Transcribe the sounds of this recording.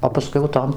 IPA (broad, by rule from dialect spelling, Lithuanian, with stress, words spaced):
oː pɐˈskʊɪ jɛʊ ˈtoːm